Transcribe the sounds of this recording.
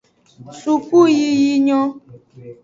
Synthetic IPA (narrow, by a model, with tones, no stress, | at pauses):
su˨ku˦ji˦ji˦ɲɔ˦